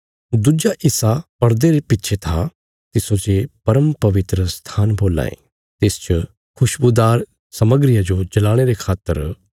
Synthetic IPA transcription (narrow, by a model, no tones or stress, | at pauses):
d̪ud͡ʒaʔɪsapɐɾd̪eɾepɪtːʃʰet̪ʰa | t̪ɪsod͡ʒepɐɾəmpɐʋɪt̪ɾəst̪ʰaːnboːla̰ːḛ | t̪eːst͡ʃə | kʰʊʃbʊd̪aːɾ | sɐməɡɾɪjad͡ʒod͡ʒɐlaːɽ̃eɾekʰaːt̪ːə̰ɾ